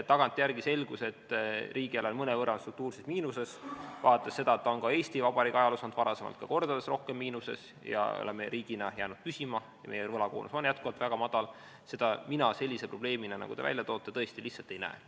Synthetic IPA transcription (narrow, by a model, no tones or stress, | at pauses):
t̪ɑɡ̥ɑnt̪ʲːˑijærɡise̞lɡ̥use̞t̪ˑːrʔiːɡ̥iælenmɤnevɤɾɑnst̪ruk̚t̪uːrsesmiːnuse̞svɑːt̪ːˑessːe̞d̪ɑet̪ːɑonkɑe̞ːsʲt̪ivɑb̥ɑɾikɑjɑlosɑnd̪̥vɑɾɑse̞mɑ̰lt̪kɑko̞rd̪̥ɑd̪esro̞hke̞mːiːnuse̞̰s | jɑ̰o̰lemeɾiːɡ̥inɑjæːnud̪̚pysimɑ | jɑ̰me̞jevɤlɑkoːnʔṵso̞njæt̪kuvɑlt̪væɡ̥ɑmɑd̪̥ɑl | se̞d̪̥ɑminɑse̞lʲːise̞pro̞b̥le̞ːminɑnɑ̰ɡ̥ud̪evæ̰lʲjɑt̪o̞ːt̪ːˑe̞t̪ɤ̞est̪ilihtsɑlt̪e̞jnæ̰ḛ